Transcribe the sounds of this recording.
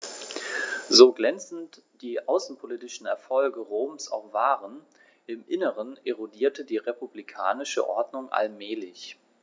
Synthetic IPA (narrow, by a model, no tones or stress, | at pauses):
zoːɡlɛnt͡sn̩t | d̥iːʔaʊsn̩pʰoliːtɪʃn̩ɛ̰ɐfɔlɡəʁoːmsa̰ʊxv̥aːʁən | ʔɪmʔɪnəʁənʔeʁodiːɐtʰədiːʁepublikʰa̰ːnɪʃə̰ʔɔ̰ɐdnʊŋʔa̰lmɛːlɪç